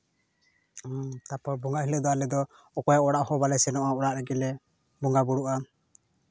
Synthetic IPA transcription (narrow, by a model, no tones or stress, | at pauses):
t̪apɔɾbuŋɡaʔɦilɛd̪ɔalɛd̪ɔ | ɔkɔjaɔɽaʔhɔbalɛsɛnɔʔaɔɾaʔɾɛɡɛlɛ | buŋɡabuɽuʔa